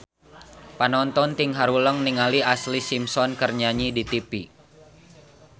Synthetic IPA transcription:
panɔnt̪ɔnt̪iŋɦaɾuləŋniŋaliaslisimsɔnkərɲaɲidit̪ipi

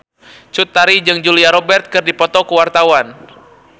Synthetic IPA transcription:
t͡ʃut̪ːaɾid͡ʒɨŋd͡ʒuliaɾɔbɛrt̪̚kɨrdipɔt̪ɔkəwart̪awan

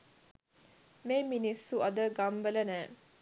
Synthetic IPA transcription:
meːminisːuɐd̪əɡambələnæː

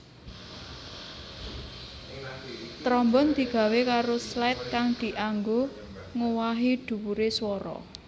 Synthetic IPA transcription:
t̪ɾɔmbɔnd̪̥i̤ɡ̥ä̤wekaɾoslat̪̚kaŋd̪̥i̤ʔaŋɡo | ŋowaɦid̪̥ṳwuɾeswɔɾɔ̰

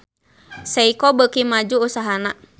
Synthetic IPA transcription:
saikɔbəkimad͡ʒuːsaɦana

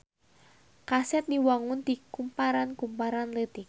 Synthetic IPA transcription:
kasɛt̪̚niwaŋʊnd̪̥ikumpaɾankumpaɾanləd̪ik̚

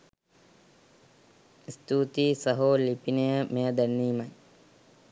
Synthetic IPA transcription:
ist̪uːt̪iːsəɦoːlipinejəmejəd̪ænːiːmɐj

